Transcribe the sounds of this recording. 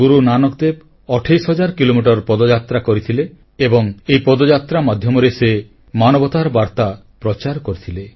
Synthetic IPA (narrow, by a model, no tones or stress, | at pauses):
ɡuɾunanɔk̚d̪eb | ɔʈʰajsɦɔd͡ʒaɾkilomiʈ̬ɔɾpɔd̪ɔd͡ʒat̪ɾakɔɾit̪ʰile | ebɔŋejpɔd̪ɔd͡ʒat̪ɾamad̪ʱjɔmɔɾese | manɔbɔt̪aɾbaɾt̪a | pɾɔt͡ʃaɾkɔɾit̪ʰile